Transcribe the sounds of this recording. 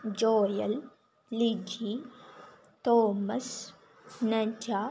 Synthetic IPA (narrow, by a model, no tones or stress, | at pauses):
d͡ʒoːjɐlː | id͡ʒi | t̪oːmɐs | nɐd͡ʒaː